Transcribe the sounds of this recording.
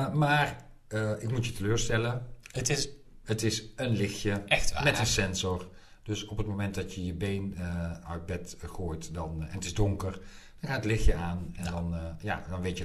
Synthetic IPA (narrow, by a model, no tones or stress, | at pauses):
maːr | ʔɪkmutjətəløːrstɛləətɪs | ətɪsənlɪxjəɛxtamɛtənsɛnzɔr | d̥øsɔpət̚momɛntdɑtjəjəbejnəœɥt̚bɛtχoːjtdɔnɛ̰nətɪzdʊŋkər | d̥ɔnxaːtətlɪxjəaːnɛndɔnja̰dɔnʋejtjə